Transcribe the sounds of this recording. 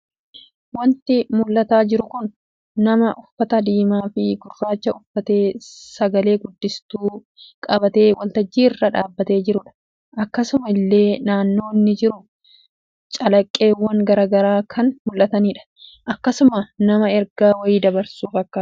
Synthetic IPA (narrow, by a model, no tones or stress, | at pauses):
wɐnt̪ɪmʊlːɐt̪aːd͡ʒɪɾʊkʊnː | ɐmɐʔʊfːɐt̪ɐd̪iːmaːfɪɡʊrːaːt͡ʃːɐʊfːɐt̪e̞ːsɐɡɐle̞ːɡʊd̪ːɪst̪uː | kʼɐbɐt̪e̞ːwʔɐlt̪ɐd͡ʒːiːɪrːɐᶑaːbːɐt̪e̞ːd͡ʒɪɾʊᶑɐ̥ | ʔɐkːɐsʊmɐɪlːe̞ːnaːnːo̞ːɪnːɪd͡ʒɪɾʊ | t͡ʃʼɐlɐkʼːeːwːɐŋɡɐɾaːɡɐɾaːkʰɐnmʊlːɐt̪ɐniːᶑɐ̥ | ʔɐkːɐsʊmɐnɐmɐɛɾɡaːwɐjiːd̪ɐbɐɾsuːfɐkːɐ